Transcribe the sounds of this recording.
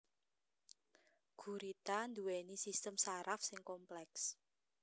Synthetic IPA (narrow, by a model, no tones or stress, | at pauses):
ɡ̥ṳɾit̪and̪uwɛnisist̪əmsaɾafsɪŋkɔmplɛks